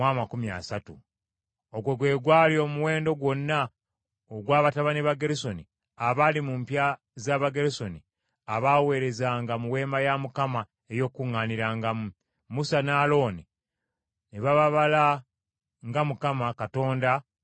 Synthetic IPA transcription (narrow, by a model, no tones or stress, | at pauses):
mwamakumja̰ːsatu | o̞ɡweɡwe̞ːɡwaːljo̞ːmuwe̞ːndo̞ɡwo̞nːa | oɡwaːβataβaneβaɡeɾiso̞ni | aβalimumpja | zaβaɡe̞ɾeso̞ni | aβaːwe̞ːɾe̞zaːŋɡamuwe̞ːmajamukama | e̞jo̞ːkːuŋːaːniɾaːŋɡamu | musanaːlo̞ni | neβaβaβala | ŋɡamukamakato̞ːnda